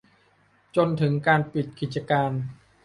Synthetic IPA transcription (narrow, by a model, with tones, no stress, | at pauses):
t͡ɕo˧nt̪ʰɯ˩˦ŋkaː˧npi˨˩t̪̚kʰi˨˩t͡ɕa˧kaː˧n